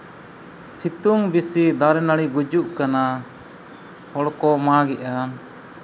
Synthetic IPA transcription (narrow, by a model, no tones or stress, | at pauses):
sit̪uŋbisid̪aɾɛnaɽiɡud͡ʒuʔkana | hɔɽkɔmaɡɛʔa